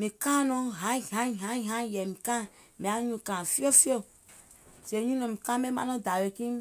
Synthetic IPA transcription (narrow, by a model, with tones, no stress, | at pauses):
mi˨kã˦nɔ̃˦ɦã˨˦˨ɦã˦˨ɦã˦˨ɦã˦˨jɛ˨mi˨kã˦ | me˨a˨˦ɲũ˧kã˨fi˦o˦fi˦o˦ | se˨ɲũ˦nɔ̃˨mi˨kã˦mɛ˦mã̰˦nɔ̃˦da˨we˨ki˦m